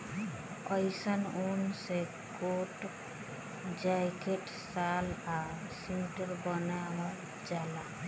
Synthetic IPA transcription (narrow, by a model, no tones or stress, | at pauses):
ɔjsənunse | koʈ | d͡ʒajkeʈ | sala | siʈəɾbɔnaa | d͡ʒala